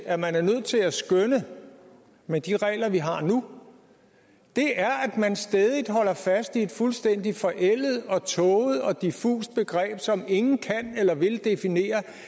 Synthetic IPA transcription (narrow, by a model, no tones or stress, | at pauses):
æmænæɐnøð̞̰ˠt͡sʰe̝læsɡ̥ønə | med̥iʁɛ̰ːlɐʋiɦɑ̈nu | d̥e̝ʔæɐʔæd̥mænsd̥ɛːð̞ˠid̥ɦɒ̽l̰ɐfæsd̥ie̝d̥fulsd̥en̰d̥ifɒ̽ʔel̰ð̩ˠɒ̽t͡sʰɔ̽ːʊð̞̩ˠɒ̽d̥ifṵːsd̥̚b̥e̝ɡ̥ʁɛ̰ːb̥sɒ̽me̝ŋn̩kʰænelɐʋe̝ld̥e̝fine̝̰ːɐ